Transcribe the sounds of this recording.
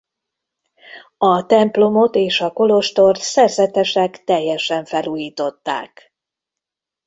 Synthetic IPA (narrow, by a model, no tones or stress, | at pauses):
ɒt̪ɛmplo̞mo̞t̪eːʃɒko̞lo̞ʃt̪o̞rt̪sɛrzɛt̪ɛʃɛkt̪ɛjːɛʃɛɱfɛluːjiːt̪o̞t̪ːa̰ːk